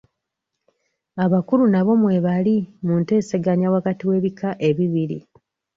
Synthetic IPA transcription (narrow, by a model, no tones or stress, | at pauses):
aβakulunaβo̞mwe̞ːβalimunte̞ːseɡaɲawakatiwe̞ːβikaʔe̞βiβiɾḭ